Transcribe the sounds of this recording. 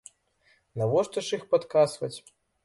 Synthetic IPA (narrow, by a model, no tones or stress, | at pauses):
navɔʂt̪ɐʂixpat̪kasvɐt͡sʲ